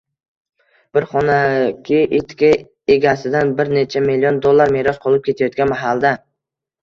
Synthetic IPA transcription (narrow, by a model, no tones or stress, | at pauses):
b̥ɪɾχɒnakʲʰɪʔet̪kʲa | eɡʲasɪd̪anbɪɾne̞t͡ʃʰamɪlːijond̪olˠːaɾmeɾɒsqʰolˠɪp̚kʰʲe̞t̪ʰajɒt̪̚kʲanmaɦalˠd̪a